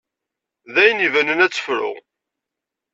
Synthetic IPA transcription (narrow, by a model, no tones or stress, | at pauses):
ðæjənivænənæt͡sːə̥fɾʊ̰ʁ